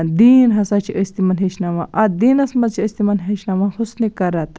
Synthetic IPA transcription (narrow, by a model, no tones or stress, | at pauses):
d̪inɦɐsat͡ʃʰiəst̪imɐnɦeʃnamãʔɐd̪iːnɐsmɐt͡ʃʰiəst̪imɐnɦeʃnamãxusnikɐɾɐt̪